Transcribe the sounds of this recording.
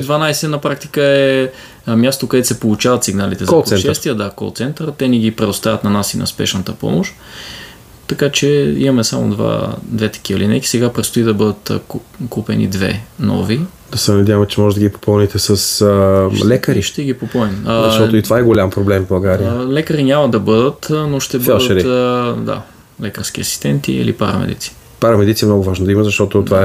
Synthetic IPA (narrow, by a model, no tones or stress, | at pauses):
d̪vanajsɛnɐpɾak̚t̪i̥kəɛ | mjast̪okɐd̪ɛsɛpolˠut͡ʃavɐt̪siɡnalit̪ɛzˠsɛnʃɛst̪viɛd̪akɔ̰l̰ˠt̪sɛnt̪əɾt̪ɛnɛɡipɾɛd̪ost̪avət̪nɐnasinɐ̰spɛ̰ʃnɐt̪əpɔ̰moʃt̪ | t̪ːɐkat͡ʃɛḭmɐmɛsamo̰d̪va̰d̪vɛt̪ɛ̥k̟iəlinɛ̰k̪ʲi̥sɛɡapɾɛt̪st̪oid̪ɐbɤd̪ət̪kkupɛ̰nḭd̪vɛ̰nɔ̰vi | d̪̥ɐsɛnɐd̪ʲjavəmt͡ʃɛmɔʒɛt̪d̪əɡʲipo̥pɔnit̪ɛsəs | lɛkəɾiʃt̪ɛɡʲipopɔnimzʃt̪ɔt̪oit̪ovaɛɡolʲampɾoblɛmvbɐlˠɡaɾiəlɛkəɾinʲamɐd̪ɐbɤd̪ət̪noʃt̪ɛbfɛlˠd̪tɛɾid̪a̰ | lɛkəɾskiɐsi̥st̪ɛnt̪ḭḭlḭpaɾɐ̰mɛ̰d̪ḭt̪si̥ | paɾɐmɛd̪it̪siɛmnɔɡʊvaʒnod̪ɐiməzɐʃt̪ɔt̪ot̪vaɛ